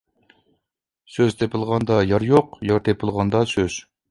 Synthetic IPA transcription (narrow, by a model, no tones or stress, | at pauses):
søzt̪ʰepʰɨlˠʁɑnd̪ɑjɑɾjoqjɑɾt̪ʰepʰɨlˠʁɑnd̪ɑsøz̥